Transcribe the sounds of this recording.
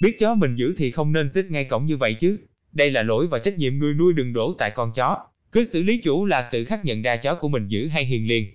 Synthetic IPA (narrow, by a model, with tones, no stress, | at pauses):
ɓi˦˥ət̚t͡ɕɔ˨˦mï˨˩ŋ̟zɨ̰˧˥t̪ʰi˨˩xə˧wŋ͡mne˧nsi˦˥t̚ŋa˧jkə̰˧˩wŋ͡mɲɨ˧və̰˧˨jt͡ɕɨ˨˦ | ɗə˧jlaː˨˩lo̰˧˥jvaː˨˩wt͡ɕa˦˥k̚ɲḭ˧˨əmŋɨ˨˩əjnu˧əjɗɨ˨˩ŋɗo̰˧˩˦t̪a̰ː˧˨jkɔ˧nt͡ɕɔ˨˦ | kɨ˨˦sɨ̰˧˨li˨˦t͡ɕu˧˩laː˨˩t̪ɨ̰˧˨xaː˦˥k̚ɲə̰˧˨nzaː˧t͡ɕɔ˨˦ku˧˩əmï˨˩ŋ̟zɨ̰˧˥ɦa˧jɦḭ˨˩ənli˧ən